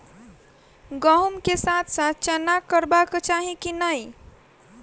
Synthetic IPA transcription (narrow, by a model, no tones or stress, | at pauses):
ɡəɦumkesat̪ʰsat̪̚t͡ʃənakːəɾbaket͡ʃaɦĩkinəj